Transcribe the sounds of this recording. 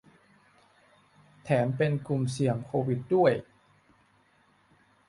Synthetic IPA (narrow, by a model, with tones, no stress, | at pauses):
t̪ʰɛː˩˦mpe˧nku˨˩msi˨˩˦əŋkʰoː˧wi˨˦t̪̚du˥˩əj